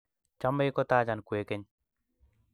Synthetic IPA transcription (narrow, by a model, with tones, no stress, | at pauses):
t͡ʃa˦me˦jkɔ˦t̪aː˦d͡ʒa˨nku˨e˨ke˦ɲ